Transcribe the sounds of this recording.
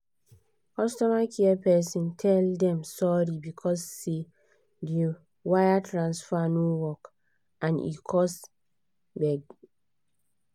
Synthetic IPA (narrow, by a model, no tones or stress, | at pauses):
kɔstɔmakʰiapɛsĩntʰɛldɛ̃msɔɹibikʰɔsːe | de | wajatʰɹãnsfanowɔk | ʔãnḭkʰɔs | bɛɡ